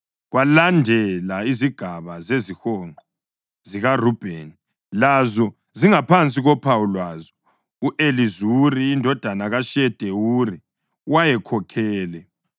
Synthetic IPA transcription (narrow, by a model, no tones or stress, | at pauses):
ɣwalandʱɛlaiziɡ̥ʱaβazezixɔŋ͡ǃɔ | ziɣarub̥ʱeni | lazɔ | ziŋapʰant͡sʼiɣɔpʰawulwaːzɔ | uʔelizuriːndʱɔd̥ʱanaɣaʃɛd̥ʱewuri | wajɛkʰɔkʰɛːlɛ